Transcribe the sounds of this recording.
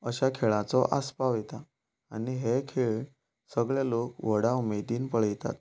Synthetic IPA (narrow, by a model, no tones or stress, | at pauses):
əɕakʰeɭãt͡sɔʔaspaʋet̪a | aniɦekʰeɭ | səɡɭelokʋəɽaumed̪iːnpəɭəjt̪a̰t̪̚